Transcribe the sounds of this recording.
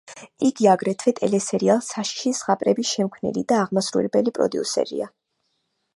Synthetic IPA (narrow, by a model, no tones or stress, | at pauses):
iɡiaɡɾɛt̪ʰvɛt̪ʼɛlɛsɛɾialˠsaʃi̥ʃisʁapʼɾɛbisʃɛmkʰwnḭlḭd̪aːʁmasɾṵlɛbɛlipʼɾɔ̰d̪iusɛ̰ɾḭa